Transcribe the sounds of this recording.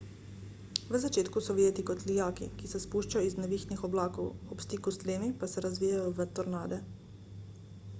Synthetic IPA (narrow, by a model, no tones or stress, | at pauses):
ʋəzat͡ʃeːt̪kusɔʋjeːt̪ikɔt̪lijaːkḭkisɛspuːʃt͡ʃajɔiznɛʋiːxnixɔblaːkɔ̰wɔpst̪iːkust̪leːmipasɛɾazʋiːjajɔʋət̪ɔɾnaːd̪ɛ